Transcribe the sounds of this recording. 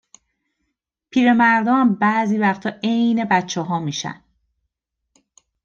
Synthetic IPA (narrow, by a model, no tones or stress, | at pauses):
pʰiːɾe̞mæɾd̪ɒːæmbæːziːvæxt̪ʰɒːejne̞bætt͡ʃʰːeɦɒːmiːʃæ̰nd̪